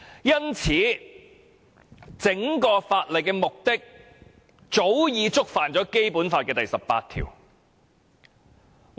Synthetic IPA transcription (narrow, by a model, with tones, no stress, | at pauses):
jɐ˥nt͡sʰiː˨˥ | t͡sɪ˨˥ŋkɔː˧faː˧t̚lɐ˨˩jkɛː˧mʊ˨k̚t̪ɪ˥k̚ | t͡so˨˥wjiː˨˧t͡sʊ˥k̚faː˨˩nt͡sɔː˨˥ke˥jpuː˨˥nfaː˧t̚kɛː˧t̪ɐ˨˩jsɐ˨pːa̰ː˧t̪̚ʰḭː˨˩w